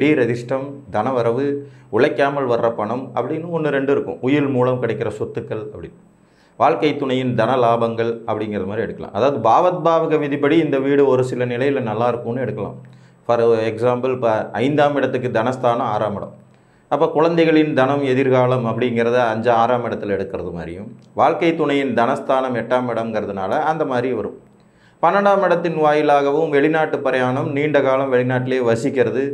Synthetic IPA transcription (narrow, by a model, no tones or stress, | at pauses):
ɛɽiɾɐðɪʂʈɐmd̪ɐnɐʋɐɾɐʋɯʊɭɐɪkːaːmɐlʋɐrːɐpːɐɳɯmɐpːɐɽɪnːɯɔnːɯɾɛɳɖɯɪɾɯkːɯ̰̃ʊjɪlmuːlɐmkɪɽɐɪkːɪɾɐsɔt̪ːɯkːɐɭɐpːɐɽɪnː | ʋaːɭkɐɪt̪ːʊɳɐjɪnd̪ɐnɐlaːbɐŋɡɐɭɐpːɐɽɪŋɡɪɾɐðɐmaːd̪ɾiɛɽɯkːɐlã̰ːmʔɐðaːʋɐðɯbaːʋɐt̪̚baːʋɯɣɐʋɪðɪp̬ːɐɽiɪnd̪ɐʋiːɽɯɔɾɯsɪlɐnɪlɐjɪlɐnɐlːaːɪɾɯkːɯmnːɯɛɽɯkːɐla̰ːm | fɐɾɛksaːmbɐlpɐɐɪnd̪aːmɪɽɐt̪ːɯkːɯd̪ɐnɐst̪aːnɐmaːɾaːmɐɽɐ̰m | ɐpːɐːkʊɻɐnd̪ɐɪɣɐɭɪnd̪ɐnɐmɛðɪɾɣaːlɐmɐpːɐɽɪŋɡɪɾɐðɯɐɲd͡ʒɐaːɾaːmɪɽɐt̪ːɪlɛɽɯkːɪɾɐðɯma̰ːɾɪ̰jɯmʋaːɻkɐɪt̪ːʊɳɐjɪnd̪ɐnɐst̪aːnɐmɛʈːaːmɪɽɐmɡɪɾɐðɯna̰ːlɐɐnd̪ɐmaːd̪ɾiʋɐɾɯ̰m | pɐnːɐɳɽaːmɪɽɐt̪ːɪnʋaːjɪlaːɣɐʋɯmʋɛɭɪnaːʈːɯpɐɾɐjaːnɐmniːɳɖɐɣaːlɐmʋɛɭɪnaːʈːɪleːʋɐsɪkːɪɾɐðɯ